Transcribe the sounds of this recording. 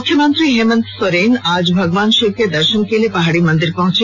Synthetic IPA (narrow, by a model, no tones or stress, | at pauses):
kʰːjemənt̪ɾiɦemənt̪soɾenad͡ʑbʱɐɡoʋanʃiked̪ɐɾʃonkelepaɦaɽimɔnd̪iɾpɔ̃ɦt͡ɕʰe